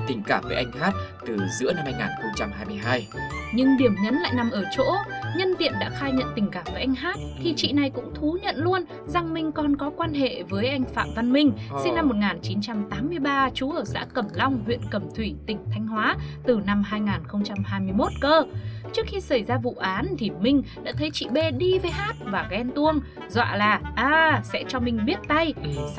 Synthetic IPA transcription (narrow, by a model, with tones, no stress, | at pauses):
t̪ï˨˩ŋ̟kaː˧˩vəː˨˦ʔa˧jŋ̟haː˦˥t̚t̪ɨ˨˩zɨ̰˧˥əna˧mhaː˧jŋaː˨˩nxə˧wŋ͡mt͡ɕa˧mhaː˧jmɨ˧əjɦaː˧jɲɨ˧ŋɗi˧˩əmɲə˨˦nla̰ː˧˨jna˨˩mʔəː˧˩t͡ɕo̰˧˥ɲə˧nvḭ˧˨ənɗa̰ː˧˥xaː˧jɲə̰˧˨nt̪ï˨˩ŋ̟kaː˧˩mvəː˨˩jʔa˧jŋ̟ɦaː˦˥t̚t̪ʰi˨˩t͡ɕḭ˧˨na˨˩jkʊ̰˧˥ŋ͡mt̪ʰu˨˦ɲə̰˧˨nlu˧ən | za˨˩ŋmï˧ŋ̟kɔ˨˩nkɔ˨˦kwaː˧nɦḛ˧˨vəː˨˦jʔa˧jŋ̟fa̰ː˧˨mva˧nmï˧ŋ̟sï˧ŋna˧mːo˨˩t̚ŋaː˨˩nt͡ɕi˨˦nt͡ɕa˧mt̪aː˨˦mːɨ˧əjɓaː˧t͡ɕu˨˦ʔəː˧˩sa̰ː˧˥kə˨˩mla˧wŋ͡mhwḭ˧˨ənkə˨˩mt̪ʰwi˧˩t̪ï˨˩ŋ̟t̪ʰa˧jŋ̟hwaː˨˦t̪ɨ˨˩na˧mɦaː˧jŋaː˨˩nxə˧wŋ͡mt͡ɕa˧mhaː˧jmɨ˧əjmo˦˥t̚kəː˧t͡ɕɨ˦˥ək̚xi˧sa˧˩jzaː˧vṵ˧˨ʔaː˨˦nt̪ʰi˨˩mï˧ŋ̟ɗa̰ː˧˥t̪ʰə˨˦jt͡ɕḭ˧˨ɓe˧ɗi˧ve˨˦jɦaː˦˥t̚vaː˨˩ɣɛ˧nt̪u˧əŋ | zwa̰ː˧˨laː˨˩ʔaː˨˧sɛ̰˧˥t͡ɕɔ˧mï˧ŋ̟ɓi˦˥ət̚t̪a˧j